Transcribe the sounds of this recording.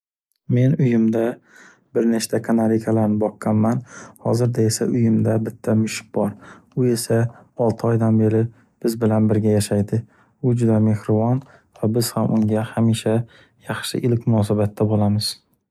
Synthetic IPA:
me̞nʊjɪmd̪a | bɪɾneʃt̪ʰakʰanaɾikʰalaɾnɪbɒqːɑnmanhɒzɪɾd̪ae̞sa̰ʊjɪmd̪abɪt̪ʰːamʊʃɪ̥q̚bɒɾʊe̞saɒlˠt̪ʰɪɒjd̪anbe̞ɾɪ | b̥ɪzbɪlanbɪɾɡʲajaʃajd̪ɪ | ʊd͡ʒʊd̪ame̞hɾɪvɒn | vabɪz̥hamʔʊŋɡʲahamiʃa | jɑχʃɪ̰ʔɪlkʲmʊnɒsabat̪ʰːabolˠamɪz̥

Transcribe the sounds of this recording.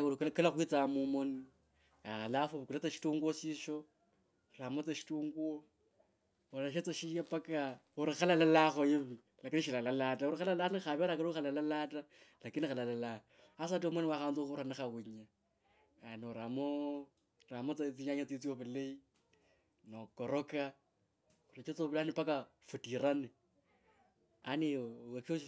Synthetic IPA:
kelaxwit͡samumoni | alafoβkulat͡saʃi̥tuŋɡwoʃiʃo | ramot͡seʃi̥tuːŋɡuo | olaʃet͡saʃijapaka | uɾixalalalaxojiβi | lakiniʃilalalatauɾixalalanixaβeɾakaoxalalalatalakinixalalala | as̬atomwanewaxant͡soxuɾanexaɣuɲa | anoɾamo | ɾamot͡sat͡siɲaɲat͡sit͡sioβelei | nokoɾoka | uɾat͡ʃet͡soβilanipaka | futiɾane | aneko

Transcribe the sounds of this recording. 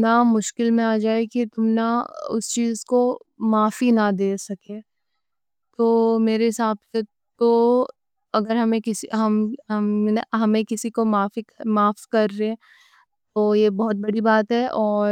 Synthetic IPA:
namʊʃkɪlmẽaːd͡ʒaːekit̪ʊmnaʊ̰st͡ʃiːzko | maːfinɐd̪eːsɐkeː | t̪oːmeːɾeɦɪsaːbse | t̪o | ɐɡəɾɦɐmẽkɪsiɦɐmɦɐmɦɐmẽkɪsikomaːimaːfskɐɾːeɦɛ̃ | t̪oːjebɐɦʊt̪̚bɐɽibaːt̪ɦɛʔɔːɾ

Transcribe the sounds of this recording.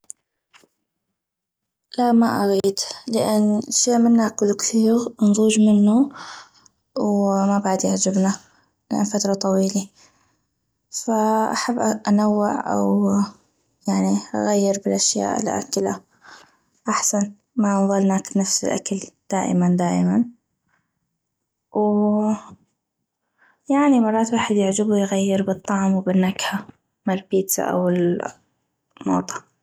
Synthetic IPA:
laʔmaʔaɣiːd̪lɪʔanːʃeːʔmɪnːakʊlːkθiːɣnzˤuːd͡ʒmɪnːu | wmabaʕd̪jaʕd͡ʒɪbna | lɪʔa̰nfat̪ɾˤɑt̪ˤɑwiːli | faʔaħabːʔʔanawːɪʕʔa̰w | jaʕniʔa̰ɣajːɪɾbɪlʔaʃja̰ːʔɪ̰lʔa̰kɪla | ʔaħsan | maðˤɑlnaːknafsɪlʔa̰kald̪̥aːʔɪ̰mand̪aːʔɪman | w | jaʕnimɑrˤːɑːt̪waːħɪd̪jɪʕd͡ʒɪbujɣajːɪɾbɨt̪ˤːɑʕmwbɪnːakha | mɪlpiːt̪sa̰ʔa̰wɪl | mo̰ːt̪ˤɑ̥

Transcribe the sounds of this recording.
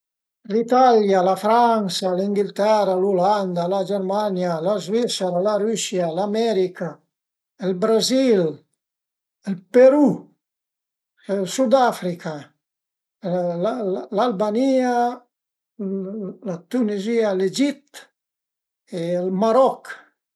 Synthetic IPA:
lit̪aljalafɾansaliŋɡilt̪ɛraluland̪alad͡ʒɛɾmanjalazvisɛɾalaɾysjalamɛɾika | ɛlbɾazil | ɛlpeɾu | ɛlsud̪afɾikʰa | alalbania | lat̪unizialed͡ʒit̪ | elmaɾɔk

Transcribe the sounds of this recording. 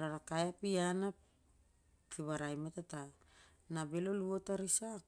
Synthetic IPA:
ɾaɾakajapiana | piβaɾajmetata | nabe̞lo̞luotaɾisa

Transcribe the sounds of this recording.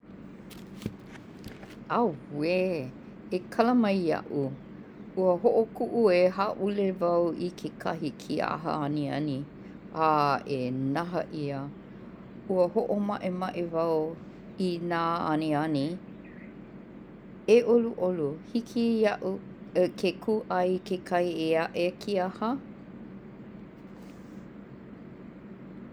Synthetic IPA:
awe | ekʰɐləmɐjɐ̰ʔu | uəhoʔokuʔueɦaʔulevɐwʔikʰekʰɐɦikʰia̰ɦə̰ɐniɐ̰ni | aenɐɦɐ̰ʔiə | uəhoʔomɐʔemɐʔevɐw | inaːɐ̰niɐni | eʔoluʔoluhikʰiɐʔu | kʰekʰuʔɐjkekʰɐieɐʔekʰiahə

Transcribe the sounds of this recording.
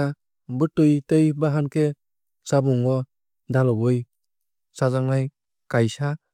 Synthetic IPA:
a | bɯtːɯjtejbaɦankʰe | sabɔŋɔ | dalɔbɯj | sazaŋnaj | kajsa

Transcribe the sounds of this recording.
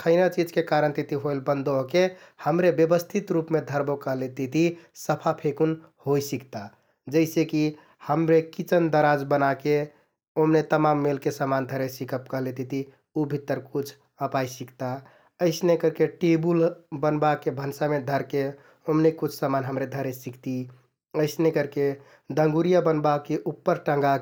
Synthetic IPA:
kʰəɪnat͡ʃid͡ʒkekaɾənt̪it̪iɦojlbənd̪oɦke | həmɾebjəbəst̪ʰit̪ɾupmed̪ʱəɾbokəɦlet̪it̪ʰisəpʰapʰekun | hojsikt̪a | d͡ʒəɪseki | həmɾekit͡ʃənd̪əɾad͡ʒbənake | omnet̪əmamːelkesəmand̪ʱəɾesikʰəp̚kəɦlet̪it̪i | ubʱit̪ːəɾkut͡ʃʰ | əpajsikt̪a | əɪsnekəɾkeʈebulbənbakebʱənsamed̪ʱəɾke | omnekut͡ʃʰsəmanɦəmɾed̪ʱəɾesikt̪i | əɪsnekəɾke | d̪ə̃ŋɡuɾijabənbakeʔupːəɾʈə̃ŋɡa

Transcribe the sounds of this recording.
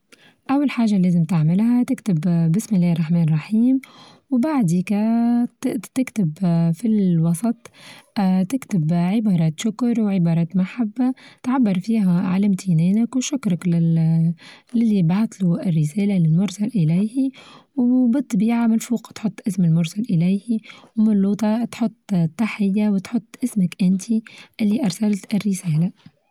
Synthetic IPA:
ʔawːalħaːʒːaleːzɪmt̪ɪʕmɪlhat̪ɪkt̪ɪbbɪsmɪlːɛːɾˤːɑħmɛːnrˤːɑħiːm | wbaʕd̪ikæ | t̪ɪkt̪ɪbfilwɑsˤɑt̪ˤː | t̪ɪkt̪ɪbʕɪbɑːɾˤɑːt̪ʃʊkɾˤwʕɪbɑːɾˤɑːt̪maħabːat̪ʕabːɑɾˤfiːɦæʕa̰læmt̪ʰinɛːnɪkwʃʊkɾˤɑkɪ | lɪlːibɑːt̪ˤluʔɪrːɪsæːlalɪlmʊɾˤsalʔɪlæjhiwbɨt̪ˤːɑbiːʕamɪnfuːqt̪ħʊt̪ˤːʔɪsmɪlmʊɾsalʔɪlæjhiwmɪnluːt̪ˤɑt̪ħʊt̪ˤːt̪ˤːɑħɪjːawɪt̪ħʊt̪ˤːʔɪsmakʔɪnt̪ʰiʔɪlːiʔɑɾˤsalt̪ɪrːɪsæːla

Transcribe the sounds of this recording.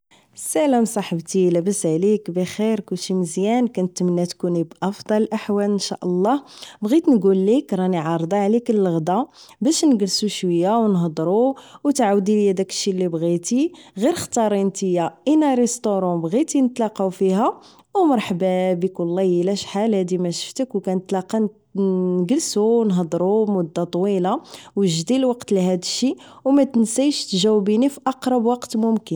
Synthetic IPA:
sæləmsˤɑħəbt̪ilæbəsʕlikbixiɾkʊlʃiməzjænkænət̪ːmənːæt̪kunibʔɑfd̪ˤɑlʔaħwælənʃæ̰ʔəlˤːɑbɣit̪nɡulːikɾˤɑniʕɑɾˤd̪ˤɑʕlikəlːɣd̪ɑbæʃnɡəlsuʃwəjːawnɦəd̪ˤɾuwt̪ʕawd̪iljæd̪ækə̥ʃːilːibɣit̪iɣiɾxt̪ɑɾˤint̪əjːaʔənæɾˤɛst̪oɾˤɑ̃bɣit̪inət̪lɑqɑwfiɦæ | wmɑɾˤħbabikʊlːæjəlæʃħalhæd̪imæʃə̥ft̪əkwkænət̪lɑqɑ | nɡəlsuwnɦəd̪ˤɾˤumʊd̪ːɑt̪ˤwilawʒd̪ilwɑqt̪liɦæd̪əʃːiwmæt̪nsæjʃt̪ʒæwbinifiʔɑqɾˤɑbwɑqt̪mʊmkən

